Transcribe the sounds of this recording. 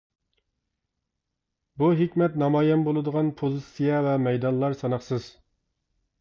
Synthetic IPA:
buɦekʲmɛt̪nɑmɑjɛnbolˠɨd̪əʁɑnpʰozɨsijɛvɛmɛjd̪ɑnlˠɑɾsɑnɑχsɨz̥

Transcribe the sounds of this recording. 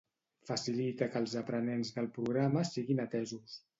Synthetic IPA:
fəsilit̪əkəlˠzəpɾənenzðəlˠpɾuɣ̞ɾaməsiɣinət̪ɛzus

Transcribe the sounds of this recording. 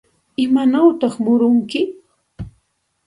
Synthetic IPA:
ɪmanawt̪ɑχmʊɾʊŋkɪ

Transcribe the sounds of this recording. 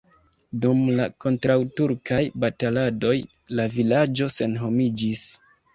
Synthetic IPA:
dumlako̞ntɾawtuɾkʰajbatalado̞j | lavilad͡ʒo̞se̞nɦo̞mid͡ʒis

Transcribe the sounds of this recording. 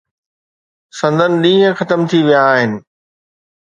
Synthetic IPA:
sɐ̃nd̪ʱənɪ̆ɗĩːɦə̃xɐt̪əmt̪ʰiʋijaːɦɪnɪ̆

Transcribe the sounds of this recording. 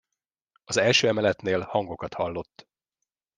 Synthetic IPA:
ɒzɛlʃøːɛmɛlɛt̪neːlhɒŋɡo̞kɒt̪hɒlːo̞t̪ː

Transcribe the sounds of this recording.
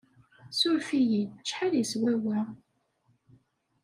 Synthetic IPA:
sʊɾfijit͡ʃːħaljiswæwæ

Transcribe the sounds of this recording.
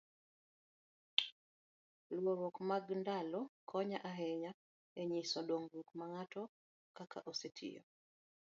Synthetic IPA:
lwoɾɔkmaɡndalɔkʰɔɲaʔaɦɛɲa | eɲisɔɗoŋɡɾukmaŋatɔ | kaka̰ʔosetʰḭjɔ̰

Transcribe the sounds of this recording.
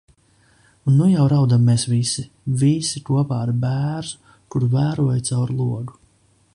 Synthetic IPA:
unːujawɾawd̪amːeːsvisi | visikuɔpaːɾbæːɾzu | kuɾvæːɾuɔjt̪sawɾlˠuɔɡu

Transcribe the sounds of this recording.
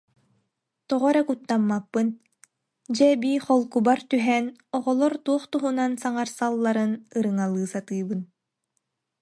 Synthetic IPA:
t̪ɔʁɔɾɛkut̪ːamːapːɯn | d͡ʑɛbiːχɔlˠkubaɾt̪yɦɛːnɔʁɔlˠɔɾt̪uɔχt̪uɦunansaŋaɾsalˠːaɾɯnɯɾɯŋalˠɯːsat̪ɯːbɯn

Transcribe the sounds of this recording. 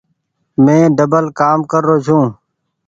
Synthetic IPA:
mẽːɖəbəlkaːmkəɾːoːd͡ʒʱũː

